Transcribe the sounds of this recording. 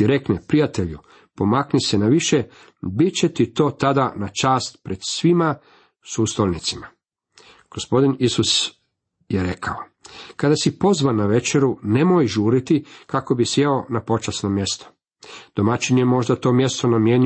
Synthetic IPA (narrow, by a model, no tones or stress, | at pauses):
iɾe̞knepɾijat̪e̞ʎu | po̞maknisenaʋiʃe | bit͡ɕe̞t̪it̪o̞ːt̪ad̪anat͡ʃaːst̪pɾe̞d̪̥sʋima | suːst̪olnit̪sima | ɡ̥ospo̞d̪inisus | jeɾe̞kʰao | kad̪asipo̞zʋanaʋe̞t͡ʃe̞ɾune̞mojʒuːɾit̪ikako̞bisjeonapo̞t͡ʃasno̞mje̞st̪o̥ | d̪̥omat͡ʃinemo̞ʒd̪at̪o̞mje̞st̪o̞namjeɲ